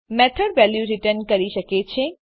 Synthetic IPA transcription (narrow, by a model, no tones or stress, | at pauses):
mɛt̪ʰəɖʋɛljuɾiʈəɾnkəɾiʃəket͡ʃʰe